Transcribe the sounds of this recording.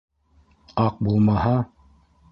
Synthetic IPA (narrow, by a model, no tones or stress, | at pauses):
ɑq̚bulˠmɑɦɑ